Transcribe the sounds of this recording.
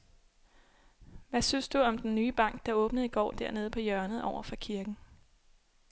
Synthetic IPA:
ʋæsynsd̥uɒ̽md̥enːyːb̥ɑ̈ŋ̰ɡ̥̚d̥ɑ̈ɔ̽ːb̥nəð̩ˠiɡ̥ɒ̰ːd̥æɐ̰ne̝ð̞̩ˠpʰɒ̽jɶɐnð̩ˠʔɒʊɐfɒkʰiɐɡ̥n̩

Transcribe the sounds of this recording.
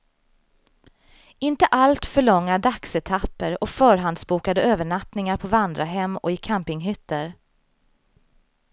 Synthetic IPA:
ɪnt̪əʔalt̪fœɭɔŋːaɖaksɛt̪ʰapːəɾɔfœːɾɦand̪sbuːkad̪əøːvəɳat̪nɪŋaɾpʰɔvand̪ɾaɦɛmːɔ̰ɪkʰampɪŋɦʏt̪ːəɾ

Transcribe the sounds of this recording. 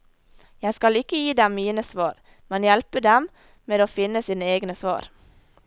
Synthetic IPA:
jæɪskɑlɪkəjiːd̪ɛmmiːnəsʋɑːɾ | mɛnjɛlpəd̪ɛm | meːd̪oːfɪnəsiːnəeːɡnəsʋɑ̰ːɾ

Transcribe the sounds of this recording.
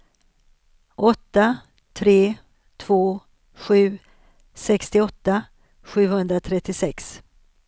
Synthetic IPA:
ʔɔt̪ːa | t̪ʰɾeː | t̪ʰv̥oː | ɧʉ̟ː | sɛkst̪ɪɔt̪ːa | ɧʉ̟ːhɵnd̪ɾat̪ʰɾɛt̪ːɪsɛks

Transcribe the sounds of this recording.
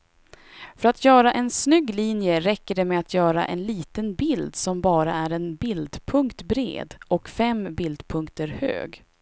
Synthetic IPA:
fœɾat̪ʰjœːɾaʔɛnsnʏɡːliːnjəɾɛkːəɖɛmɛat̪ʰjœːɾa̰ʔɛ̰nliːt̪ənbɪld̪sɔmbɑːɾaæɾɛnbɪld̪pʰɵŋkt̪bɾḛːd̪ʔɔkfɛmbɪld̪pʰɵŋkt̪əɾhø̰ːɡ

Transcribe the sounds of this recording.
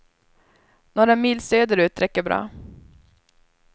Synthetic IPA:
noːɾamiːlsøːd̪əɾʉ̟ːt̪ɾɛkːəbɾɑ̰ː

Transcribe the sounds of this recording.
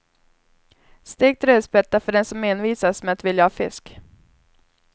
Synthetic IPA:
st̪eːɡ̚t̪ɾøːd̪spɛt̪ːafœɖɛnsɔmːeːnviːsasmɛat̪vɪljahɑːfɪ̰sk

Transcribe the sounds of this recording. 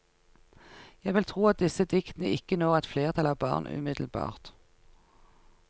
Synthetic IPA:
jæɪʋɪlt̪ʰʁuːɑt̪̚d̪ɪsəd̪ɪkt̪ənəʔɪkːənoːʁɛt̪fleːʁt̪ʰɑlɑbɑ̰ːʁnʔʉ̰ːmɪd̪l̩bɑ̰ːʁt̪

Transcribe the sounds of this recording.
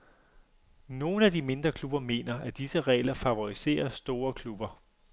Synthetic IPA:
no̝ːn̩æd̥ime̝nd̥ʁɐkʰlub̥ɐme̝̰ːnɐʔæd̥isəʁɛ̰ːlɐfæʋo̝ʁise̝̰ːɐsd̥o̝ːɐkʰlub̥ɐ

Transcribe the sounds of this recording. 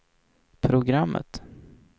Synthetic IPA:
pʰɾʊɡɾamːʔə̰t̪

